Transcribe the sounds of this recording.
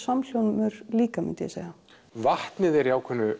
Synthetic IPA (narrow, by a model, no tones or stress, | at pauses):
saml̥jownmʏɾliːkamɪ̰nt̪ɪ̰sa̰ɣa | vaht̪nɪðɛɾiawkʰvɛnːʏ